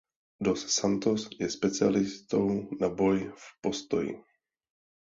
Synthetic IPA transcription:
dossant̪osjɛspɛt͡sɪalɪst̪ownabo̞jfpo̞st̪ojḭ

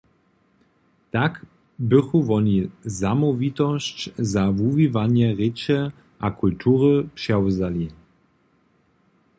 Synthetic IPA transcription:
t̪ak | bɪxuvɔnizamɔvit̪ɔɕt͡ɕzavuvivanjɛʁɪt͡ɕɛ | ʔakult̪ʰuːʁəpʂɛwzali

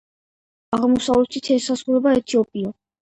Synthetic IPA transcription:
aʁmɔsavlɛt̪it̪ʰɛsazʁuɾɛbaɛt̪ʰiɔpʼiɔ

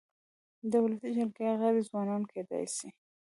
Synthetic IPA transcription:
d̪əwlasid͡ʒalɡeɣaɾizwɑnɑnkʰed̪ɑ̰jsi

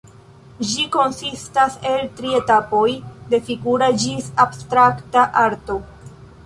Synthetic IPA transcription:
d͡ʒiko̞nsistase̞ltɾie̞tapo̞jde̞fiɡuɾad͡ʒisabstɾaktaʔaɾto̞

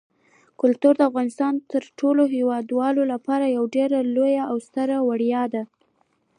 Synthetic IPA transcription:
kʊlt̪uɾd̪əafɣɑnɪst̪ɑnt̪əɾʈoloɦewɑd̪wɑlolapɑɾajawɖeɾalojaawst̪əɾawaɽjɑd̪a

